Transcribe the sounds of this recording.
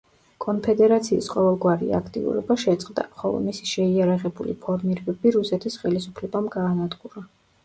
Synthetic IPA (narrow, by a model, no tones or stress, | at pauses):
kʼɔnpʰɛd̪ɛɾat̪sʰiːsqʼɔvɛlˠɡwaɾḭa̰kʰt̪ʼḭṵɾɔbaʃɛt̪sʼqʼd̪a̰χɔlˠɔ̰misi̥ʃɛiaɾaʁɛbulḭpʰɔɾmiɾɛbɛbiɾusɛt̪ʰisχɛlisupʰlɛbamɡaːnad̪ɡuɾa